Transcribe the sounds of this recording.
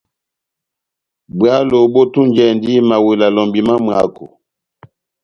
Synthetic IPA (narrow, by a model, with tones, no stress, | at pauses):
bwa˦lo˨bo˦tu˦nd͡ʒɛ˨ndi˦ma˨we˨la˨lɔ˨mbi˨ma˦m˨a̰˦˨ko̰˨